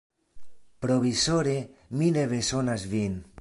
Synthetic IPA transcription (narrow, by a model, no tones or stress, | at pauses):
pɾoβisoɾemileβesonazvin